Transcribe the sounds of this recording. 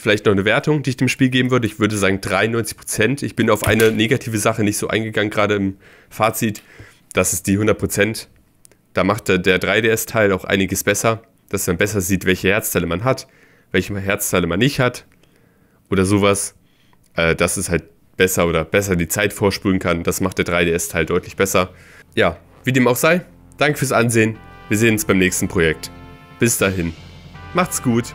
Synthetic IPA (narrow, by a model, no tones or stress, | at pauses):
fɪlaɪçtnɔχnəveːɐtʊŋdiːɪçd̥eːmʃpiːlɡeːbm̩vʏɐdəɪçv̥ʏɐdəzaːɡŋ̩dʁaɪnɔʏnt͡sɪ̥çpʁ̥ot͡sɛntɪçb̥ɪnaʊfʔa̰ɪnəneːɡatʰiːvəzaχənɪçtz̥oːʔa̰ɪnɡəɡaŋənɡʁaːɾəɪm | faːt͡sit | d̥asɪstd̥iːhʊndɐt̚pʁ̥ot͡sɛnt | d̥aːmaχtdeːɐdʁaɪdeːɛstʰaɪlaʊxʔa̰ɪnɪɡəsb̥ɛsɐ | d̥asmanbɛsɐziːtv̥ɛlçəhɛɐt͡stʰaɪləmanɦat | vɛlçəɦɛɐt͡stʰaɪləmanːɪçthat | ʔoːɾɐzoːvas | ʔɛːd̥asɛshalt̚ | b̥ɛsɐoːɾɐb̥ɛsɐdiːt͡saɪtfoːɐʃpyːʁən̩kʰand̥asmaχtd̥eːɐdʁaɪdeːɛstʰaɪldɔʏtlɪçb̥ɛsɐ | jaː | viːdeːmaʊxz̥aɪ | d̥aŋkə̥fyːɐsʔanzeːənviːɐzeːənʊnsb̥aɪmnɛːçstn̩pʁ̥ojɛk̚t | b̥ɪsd̥aːɦɪnmaχtsɡ̥uːt